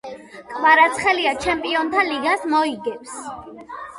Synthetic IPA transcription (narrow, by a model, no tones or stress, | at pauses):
kʼvaɾat̪sʰχɛliat͡ʃʰɛmpʼiɔnt̪ʰaliɡasmɔiɡɛps